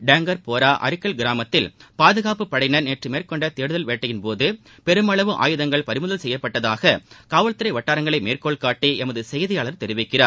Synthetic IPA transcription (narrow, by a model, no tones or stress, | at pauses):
ɖaːŋɡɐɾpoːɾaːʔɐ̰ɾɪkːɐɭɡɪɾaːmɐt̪ːɪlpaːðɯɣaːpɯpːɐɽɐɪnɐɾneːʈrɯmeːrkɔɳɖɐt̪eːɽɯðɐlʋeːʈːɐjɪnpoːðɯ | pɛɾɯmɐɭɐʋɯʔa̰ːjɯðɐŋɡɐɭpɐɾɪmɯðɐlsɛjːɐpːɐʈːɐðaːɣɐkaːʋɐɭt̪ɪɾɐɪʋɐʈːaːɾɐŋɡɐɭɐɪmeːrkoːɭkaːʈːiʔɛmɐðɯsɛjðɪjaːɭɐɾt̪ɛɾɪʋɪkːɪraːɾ